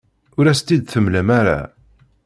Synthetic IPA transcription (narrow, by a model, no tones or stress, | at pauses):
ʊɾæst̪id̪θəmləmaɾa̰